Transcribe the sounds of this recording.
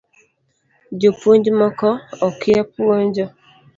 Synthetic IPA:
d͡ʒopun̩d͡ʒɔmɔkɔɔkʰiapuon̩d͡ʒɔ

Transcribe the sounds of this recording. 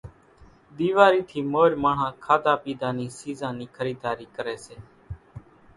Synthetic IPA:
d̪iːʋaːɾiːt̪ʰiːmoːɾmaːɳ̤ãːkʰaːd̪aːpiːd̪aːniːsiːzãːniːkʰəɾiːd̪aːɾiːkəɾeːseː

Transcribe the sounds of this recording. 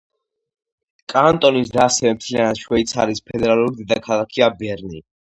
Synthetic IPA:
kʼant̪ʼɔnisd̪asɛvɛmt̪ʰlianat̪ʃwɛit̪sʰa̰ɾispʰɛd̪ɛɾalˠuɾid̪ɛd̪akʰalˠakʰiabɛɾnḭ

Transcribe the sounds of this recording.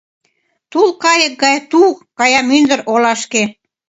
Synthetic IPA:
t̪ulkɑjək̚ɡɑjt̪ukɑjɑmynd̪ə̆ɾʔolɑʃke

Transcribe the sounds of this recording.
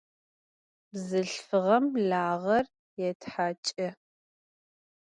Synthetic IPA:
bzɨɬfɨʁɐmɮaːʁɐr | jɛtħat͡ʃʼɐ

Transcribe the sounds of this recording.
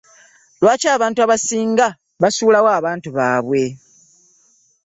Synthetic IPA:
lwaːcaːβaːntuaβasiːŋɡa | βasuːlawaːβaːntuβaːβwe̞

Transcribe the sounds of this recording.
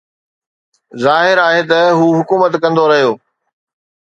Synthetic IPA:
zaːɦɪɾaːɦet̪ɐɦuːɦʊkuːmət̪kɐ̃nd̪oɾɐɦijoː

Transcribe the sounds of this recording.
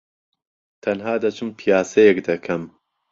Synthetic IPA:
t̪ʰɐnɦaːd̪ɐt͡ʃʰɨmpʰijaːsɐjekd̪ɐkʰɐm

